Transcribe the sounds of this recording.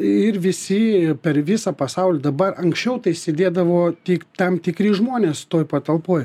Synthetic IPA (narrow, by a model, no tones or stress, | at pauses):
ɪɾʋʲɪsʲɪpʲɛɾʋʲɪsɐpɐsɐʊlʲɛd̪ɐbɐrɐŋksʲt͡ʃʲɛʊt̪ɐɪsʲeːd̪ʲeːd̪ɐʋoːt̪ʲiːkt̪ɐmt̪ʲɪkɾʲiːʒmoːnʲeːst̪oːjpɐt̪ɐlˠpoːj